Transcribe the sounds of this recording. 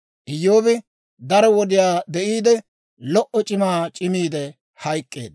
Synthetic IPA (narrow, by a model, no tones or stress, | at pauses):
ʔɪjːoːbɪ | d̪ɐɾɔwɔd̪ɪjaːd̪ɛʔiːd̪ɛ | lɔʔɔt͡ʃʼɪmaːt͡ʃʼɪmiːd̪ɛ | hɐjkʼːḛːd̪